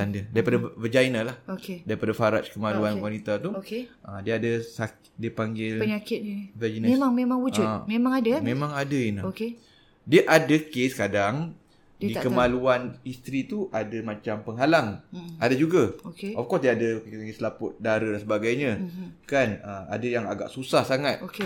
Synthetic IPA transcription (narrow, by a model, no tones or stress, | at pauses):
andədaɾipadavəd͡ʒajnalahokedaɾipadafaɾa̰t͡ʃkəmaluanwanit̪at̪uokeʔədiəadəsak | diəpaŋɡɪlpəɲakɪt̪̚ivɛd͡ʒinemaŋmemãŋud͡ʒʊmemãŋadamẽmãŋadəinaoke | diəʔadəkeskadaŋ | ddikəmaluanist̪ɾit̪uʔadəmãt͡ʃampəŋɦalaŋadad͡ʒuɡaokeɔfkɔsdiəadəaslapʊt̪̚daɾadansəbaɡajɲə̃kanəa̰dəjaŋaɡa̰ʔsusahsaŋat̪̚oke